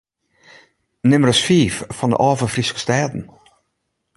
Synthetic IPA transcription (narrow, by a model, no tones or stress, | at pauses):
nʏməɾəsfiːffɔnd̪ə̰ʔɑːvəfɾiskə̥st̪ɛːd̪n̩